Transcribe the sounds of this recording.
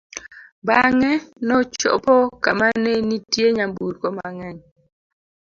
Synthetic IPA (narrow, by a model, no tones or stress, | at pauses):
baŋɛnɔt͡ʃɔ̰pɔkamanenitjeɲambuɾkɔmaŋɛɲ